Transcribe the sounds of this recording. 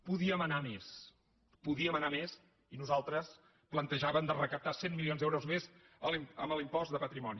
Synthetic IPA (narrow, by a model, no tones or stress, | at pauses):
puðiəmənames | puðiəmənames | inuzalˠt̪ɾəs | plənt̪əʒaβəmd̪ərəkəp̚t̪asemmilionzðɛwɾuzmez | əliməməlimpɔsd̪əpət̪ɾimɔni